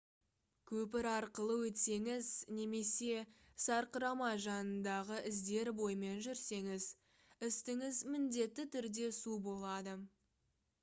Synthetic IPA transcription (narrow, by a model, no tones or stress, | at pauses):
kʲʰɵp̬ɪɾɑɾqəlˠəwɵt̪se̞ŋɪzne̞me̞se̞sɑɾqəɾɑmɑʒɑnənd̪ɑʁəʔɪzd̪e̞ɾbo̞jəme̞nʒʏɾse̞ŋɪz | ɪst̪ɪŋɪzmɪnd̪e̞t̪ːɪt̪ʰʏɾd̪e̞subo̞lˠɑd̪ə